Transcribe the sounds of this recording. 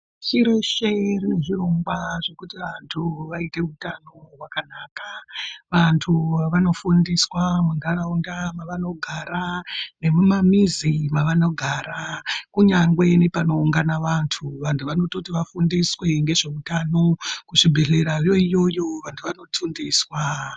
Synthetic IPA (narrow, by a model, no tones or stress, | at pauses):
t͡ʃiɾeʃerine̞ʐiro̞ŋɡwaʐe̞kutiʋantʰuʋaite̞utano̞ɦwakanaːkaʋantʰuaʋano̞fundiswamundaraundamaʋano̞ɡʱaɾane̞mumamizimaʋano̞ɡʱaːɾakuɲaŋɡwe̞nepano̞uŋɡanaʋantʰuʋantʰuʋano̞to̞tiʋafundiswe̞ŋɡe̞ʐe̞utano̞kuʐibʱe̞ɮe̞ɾarjo̞ijo̞jo̞ʋantʰuʋano̞tʰundiswa